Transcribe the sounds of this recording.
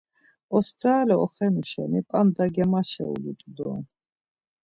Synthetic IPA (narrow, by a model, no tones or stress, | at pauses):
ɔsd̪aːlɛɔχɛnuʃɛ̰nipʼamd̪aɡɛmaʃɛ̰ṵlut̪ʼd̪ɔ